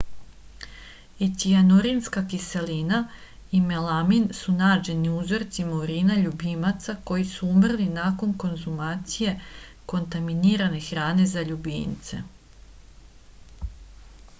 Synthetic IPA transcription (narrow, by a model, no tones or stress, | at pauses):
et̪ianoɾinskakise̞liːna | ime̞laminsunaːd͡ʒe̞niuzo̞ɾt̪simouɾiːnaʎubimat̪sako̞jisuumr̩linako̞nko̞nzumaːt̪sije̞ | ko̞nt̪aminiːɾane̞xɾaːne̞zaʎubḭnt̪se̞̰